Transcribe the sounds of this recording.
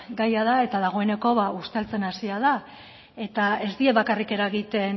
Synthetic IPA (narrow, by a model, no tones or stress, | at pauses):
ɡajað̞ae̞t̪að̞aɣ̞o̞e̞ne̞ko̞βaust̪e̞lt͡se̞nasiað̞a | e̞t̪ae̞zd̪ieβakarike̞ɾaɣit̪e̞n